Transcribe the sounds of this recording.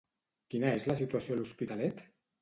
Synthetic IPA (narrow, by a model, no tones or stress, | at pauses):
kinaezlasit̪wasjoluspit̪alɛt̪